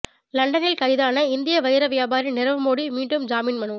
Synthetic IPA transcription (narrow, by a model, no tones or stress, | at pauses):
lɐɳɖɐnɪlkɐɪðaːnɐɪnd̪ɪjɐʋɐjɪɾɐʋɪjaːbaːɾɪnɪɾɐʋɯmoːɽimiːɳɖɯmd͡ʒaːmiːnmɐɳɯ